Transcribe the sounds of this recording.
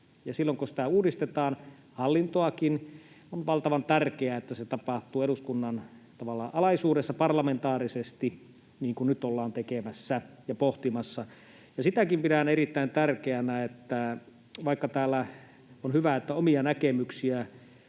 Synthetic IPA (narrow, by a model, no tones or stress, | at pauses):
jɑsilːoŋkusi̥t̪æuːdist̪et̪ɑːn | hɑlːint̪oɑkin | onʋɑlt̪ɑʋɑnt̪ærkeæet̪ːæset̪ɑpɑht̪uːeɾuskunːɑnt̪ɑʋɑlːɑʔɑlɑisuːdesːɑpɑrlɑment̪ɑːrisest̪i | niːŋkunnyt̪olːɑːnt̪ekemæsːæjɑpoht̪imɑsːɑ | jɑsit̪ækimpidæneɾit̪ːæint̪ærkeænæet̪ːæ | ʋɑikːɑt̪æːlːæ | onhyʋæet̪ːæomiɑnækemyksiæ